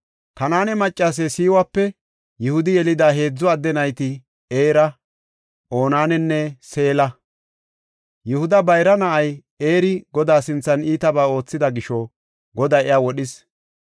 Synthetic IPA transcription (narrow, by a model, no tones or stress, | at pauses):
kɐnaːnɛmɐt͡ʃʼːaːs̬esiːwaːpːɛ | jʊhʊd̪ɪjɛlɪd̪aːɦe̞ːd͡zːɔɐd̪ːɛnɐjt̪ɪ | eːɾɐ | ʔo̞ːnaːnɛnːɛse̞ːlɐ | jʊhʊd̪ɐbɐjɾɐnɐʔɐj | e̞ːɾɪɡɔd̪aːsɪnt͡sːɐniːt̪ɐbaːo̞ːt͡sːɪd̪ɐɡɪʃɔ | ɡɔd̪ɐjɛjaːwɔɗɪs